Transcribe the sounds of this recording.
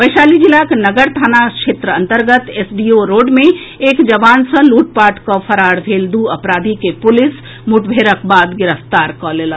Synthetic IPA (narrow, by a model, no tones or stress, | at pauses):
ʋəɪʃaːlid͡ʒɪlaknəɡəɾt̪ʰaːnakʃeːt̪ɾəɐ̃nt̪əɾɡət̪esɖioɾoːɖmẽ | eːkd͡ʒɐʋaːnsə̃luːʈ̚paːɾʈkopʰəɾaːɽbʱeːld̪uːɐpɾaːd̪ʱikepʊlɪs | muʈbʱeːɾək̚baːd̪ɡɪɾəft̪aːɾkɔleːla